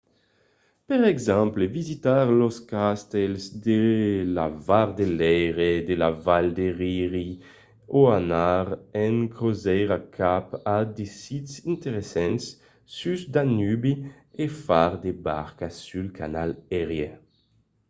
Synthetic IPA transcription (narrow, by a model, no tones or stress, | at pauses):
peʁɛɡzãmplevizit̪aʁloskast̪ɛlsd̪ela̰vaʁd̪elɛjʁed̪elavald̪eʁiʁi | oanaʁɛŋkʁozɛjʁakʰapad̪esit̪sint̪eʁesɛ̃nsː | ysd̪anybi | efaʁd̪eba̰ʁkasylka̰nalɛʁje